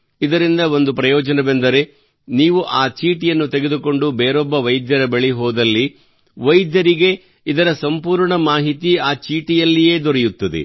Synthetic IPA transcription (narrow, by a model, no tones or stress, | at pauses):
id̪ɐɾind̪ɐo̞nd̪upɾɐjɔːd͡ʒɐnɐbend̪ɐɾe̞ | niːʋuʔaːt͡ʃiːʈijɐnːut̪eɡe̞d̪uko̞ɳɖubeːɾɔbːɐʋɐjd̪jɐɾɐbeɭiɦɔːd̪ɐlːi | ʋɐjd̪jɐɾiɡe̞ | id̪ɐɾɐsɐmpuːɾɳɐmaːɦit̪iaːt͡ʃiːʈijɐlːije̞ːd̪ɔɾɛjut̪ːɐd̪ḛ